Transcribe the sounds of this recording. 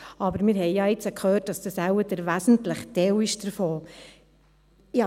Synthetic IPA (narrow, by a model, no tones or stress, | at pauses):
ɑbəɾmɪːɾɦɛɪjɑːɪt͡səkʰχøːt̚d̥ɑsd̥̪əsæwədəɾʋæsn̩tləχtɛwɪʃd̥əɾfoː | jɑ